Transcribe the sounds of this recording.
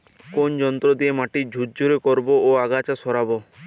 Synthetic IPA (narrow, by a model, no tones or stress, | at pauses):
kond͡ʒɔnt̪ɾɔd̪iemaʈid͡ʒʱut̪̚d͡ʒuɾekɔɾbɔoaɡat͡ʃasɔɾabɔ